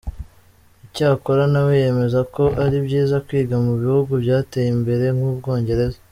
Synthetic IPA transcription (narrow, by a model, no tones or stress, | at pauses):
icaːko̞ɾanaweje̞me̞zako̞ʔaɾibɟiːzakwiːɡamuβihuɡubjaːte̞jimbe̞ɾe̞ŋhuːb̚ɡo̞ːɲɟe̞ɾe̞za